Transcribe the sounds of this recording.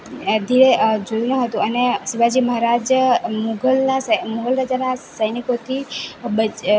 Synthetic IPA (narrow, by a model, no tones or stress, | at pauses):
d̪ʱiɾed͡ʒoɾunə̃ɦət̪ũəneʃiʋad͡ʒiməɦaɾad͡ʒmuɡəlnasəmuŋɡəlɾad͡ʒanasəjnikot̪ʰibə